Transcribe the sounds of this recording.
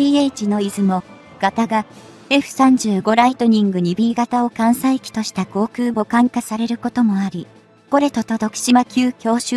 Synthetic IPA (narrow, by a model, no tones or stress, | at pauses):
ieit͡ɕino̞izɨmo̞ | ɡ̥at̪aɡa | e̞ɸɯ̟̥sãɲ̟d͡ʑɨːɡo̞ɾait̪o̞ɲ̟ĩŋɡɯ̟ɲ̟ibʲiːɡat̪ao̞kãɰ̃saikʲi̥t̪o̞ɕi̥t̪ako̞ːkɯ̟ːbo̞kãŋkasaɾe̞ɾɯ̟ko̞t̪o̞mo̞aɾʲi | ɡ̥o̞ɾe̞t̪o̞t̪o̞t̪o̞kɯ̥ɕimakʲɨːkʲo̞ːɕɨ